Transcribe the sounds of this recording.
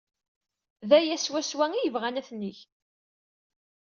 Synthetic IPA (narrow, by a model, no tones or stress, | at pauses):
ðæjæswæswæŋijəvʁænæθniç